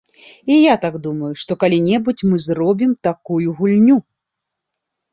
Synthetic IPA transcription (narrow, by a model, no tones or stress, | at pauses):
ijat̪aɡd̪umɐjuʂt̪ɔkalʲinʲɛbut͡sʲmɨzrɔbʲimt̪akujuɣulʲnʲu